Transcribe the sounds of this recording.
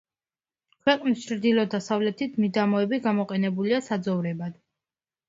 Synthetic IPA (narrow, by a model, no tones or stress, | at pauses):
kʰwɛqʼnist͡ʃʰɾd̪ilˠɔd̪asavlɛt̪ʰit̪ʰmid̪amɔɛbiɡamɔqʼɛnɛbuliasad̪zɔvɾɛbad̪̥